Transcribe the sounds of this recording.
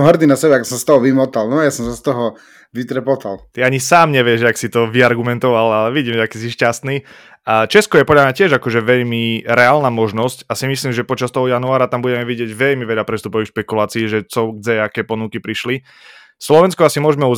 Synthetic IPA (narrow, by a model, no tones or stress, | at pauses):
ɦrd̪inasɛbɛakɔ̥sɔ̃st̪ɔɦɔʋimɔt̪alnɔajasɔmsast̪ɔɦɔ | ʋit̪ɾɛpɔt̪alt̪iaɲisaːmɲɛʋɪɛʒaksit̪ɔʋiaɾɡumɛnt̪ɔʋalalɛʋiɟiːmʒɛakiːs̬iʃcast̪niː | t͡ʃɛskɔjɛpɔdʎamɲacɪɛʒakɔʒɛʋɛʎmiɾɛaːlnaːmɔʒnɔscasimisliːmʒɛpɔt͡ʃast̪ɔɦɔjanuaːɾat̪ambuɟɛmɛʋiɟɪɛɟʋɛʎmiʋɛʎapɾɛst̪upɔʋixfʃpɛkulaːt͡siːʒɛt͡sɔɡd͡zɛakɛːpɔnukipɾiʃli | slɔʋɛnskɔasimʊɔʒmɛu